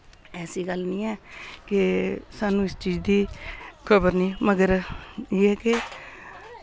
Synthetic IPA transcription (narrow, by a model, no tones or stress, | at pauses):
ɛːsiːɡəlnĩːɛːkɪsaːnũːɪst͡ʃiːd͡ʒd̪iːkʰəbəɾnĩːməɡəɾjeːɛːke